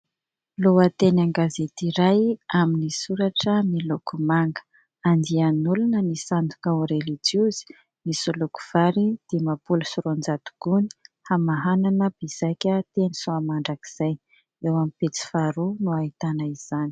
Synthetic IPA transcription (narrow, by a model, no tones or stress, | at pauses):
loət̪enaŋɡazet̪iɾajaminisuɾaʈ͡ʂəmilukumaŋɡə̥ | and̪ianulunənisand̪ukauɾelid͡ʒiuz̥i̥ | misuluku̥v̥aɾid̪̥emapulusuɾond͡zat̪u̥ɡ̥uni̥hamaɦananəbizajkʲət̪enisuamaɳɖ͡ʐaki̥z̥aj | ewamipet͡si̥faɾunuait̪anəiz̥ani̥